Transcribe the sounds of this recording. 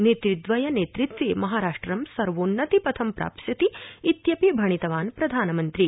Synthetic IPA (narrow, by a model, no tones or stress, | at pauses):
neːt̪ɾid̪ʋɐjɐneːt̪ɾit̪ʋeːmɐɦaːɾaːʂʈɾɐmsɐɾʋoːnːɐt̪ipɐt̪ʰɐmpɾa̰ːpsjɐt̪iːt̪jɐpibʱɐɳ̃it̪ɐʋaːnpɾɐd̪ʱaːnɐmɐnt̪ɾi